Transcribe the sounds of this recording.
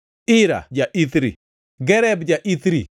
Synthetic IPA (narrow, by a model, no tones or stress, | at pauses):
ɪɾa̰d͡ʒaʔit̪ɾḭ | ɡɛɾɛbd͡ʒaʔit̪ɾi